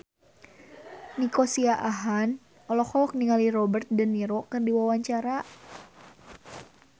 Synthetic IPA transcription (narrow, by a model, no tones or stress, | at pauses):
nikosiaʔaɦan | ɔlɔhɔɔk̚niŋalirɔbərt̪̚dəniɾɔkɨrdiwawaɲt͡ʃaɾa